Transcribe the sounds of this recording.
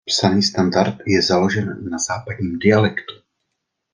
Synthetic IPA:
psaniːst̪andaɾt̪jɛzalo̞ʒɛnːaz̥aːpad̪ɲiːmdɪalɛkt̪u̥

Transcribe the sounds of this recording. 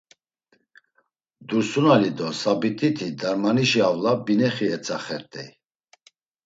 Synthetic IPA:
d̪uɾsunalid̪ɔsabit̪ʼit̪ʰid̪aɾmaniʃiavlabinɛχiɛt͡sʼaχɛɾt̪ʼɛj

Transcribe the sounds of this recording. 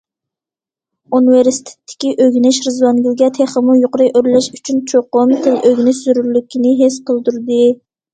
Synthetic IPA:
unɨveɾsi̥t̪ʰe̥t̪ʰːɪ̥kʲiʔøɡʲnɪʃɾɨzwɑŋɡʲilɡʲɛt̪ʰeχəmujoqʊɾɨjʔøɾlɛʃy̥t͡ʃʰynt͡ʃʰoqʊmt̪ʰɪlʔøɡʲnɪʃz̥yɾyɾlykʲinɪɦesqəlˠd̪uɾd̪ɨ

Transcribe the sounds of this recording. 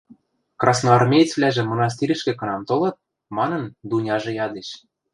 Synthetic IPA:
krɑsnoɑrmʲejt͡svlʲæʒĕmŏnɑs̬t̪iɾʲɘʃkĕkɤ̆nɑmt̪olɤ̆t̪̚ | mɑnɤ̆nd̪unʲɑʒɤ̆jɑd̪eʃ

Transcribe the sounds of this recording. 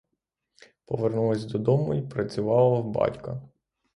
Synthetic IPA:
pɔʋernulˠɐsʲd̪ɔd̪ɔmʊipɾɐt͡sʲʊʋɑlˠɐbɑ̰tʲkɐ

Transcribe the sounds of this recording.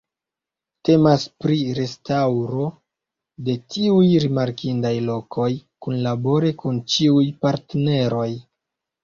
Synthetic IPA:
te̞maspɾiɾe̞stawɾo̞ | de̞tiujɾimaɾkindajlo̞kʰo̞jkunlabo̞ɾekunt͡ʃiujpaɾtene̞ɾo̞j

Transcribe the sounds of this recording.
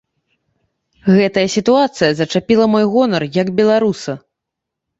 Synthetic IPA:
ɣɛt̪ɐjɐsʲit̪uat̪sɨjɐzɐt͡ʂapʲilˠɐmɔjɣɔnɐrjɐɡbʲɛlˠaɾusɐ

